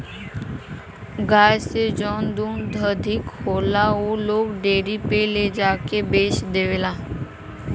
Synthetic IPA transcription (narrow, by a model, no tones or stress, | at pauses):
ɡaːjsed͡ʒɔːnd̪uːnd̪əd̪ʱɪkhoːlaoːloːɡɖeːɾipeled͡ʒaːkebeːʃd̪eːʋeːlaː